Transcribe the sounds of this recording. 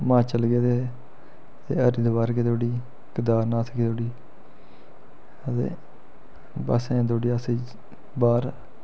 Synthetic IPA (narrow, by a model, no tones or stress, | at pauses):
mãːt͡ʃəlɡeːt̪eː | t̪ḛːəɾiːd̪baːɾkeːt̪oːɽiː | kəd̪aːɾnãːsʰəkeːt̪oːɽiː | ət̪ḛː | ba̰ːsẽːd̪oːɽiːəsiː | baːɾ